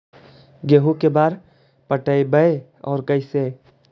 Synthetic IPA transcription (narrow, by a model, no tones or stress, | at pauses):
ɡeːɦukebaːɾ | pəʈəibəe | ɔ̰ːɾkəɪse